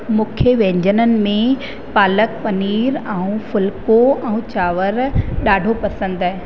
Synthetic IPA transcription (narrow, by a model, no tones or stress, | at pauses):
mʊ̃ːkʰjjəʋɛ̃ːɲd͡ʑənənɪ̆mẽ | paːlək̚pɐniːɾɛ̃ũfʊlkoɛ̃ũt͡ɕaːʋəɾɗaːɖʱopɐsə̃nd̪aɦe